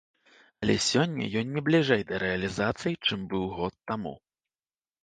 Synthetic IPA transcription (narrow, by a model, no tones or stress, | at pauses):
ɐlʲɛ̰sʲɔnʲːɐ̰jɔnːʲɛblʲiʐɛjd̪ɐɾɛɐlʲizat̪sɨjit͡ʂɨmbɨwɣɔt̪ːamṵ